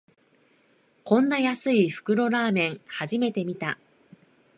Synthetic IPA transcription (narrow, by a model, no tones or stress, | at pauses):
kõ̞nːajasɨiɸɯ̟̥kɯ̟ɾo̞ɾaːmẽ̞ŋhaʑime̞t̪e̞mʲit̪a